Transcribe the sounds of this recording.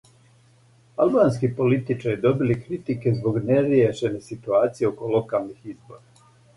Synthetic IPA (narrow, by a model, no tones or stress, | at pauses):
albaːnskipo̞lit̪it͡ʃaɾid̪o̞bilikɾit̪ike̞zbo̞ɡne̞ɾjeʃe̞nesit̪uaːt̪sijeoko̞lo̞kalˠnixizbo̞̰ɾa